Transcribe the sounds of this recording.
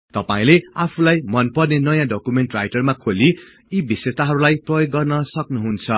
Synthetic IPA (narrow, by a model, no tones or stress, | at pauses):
t̪ʌpaĩleapʰulajmʌnpʌrnenʌjãɖokumeɳʈrajʈʌrmakʰoli | ibiset̪aɦʌɾulajprʌjoɡːʌrnʌsʌknuɦunt͡sʰʌ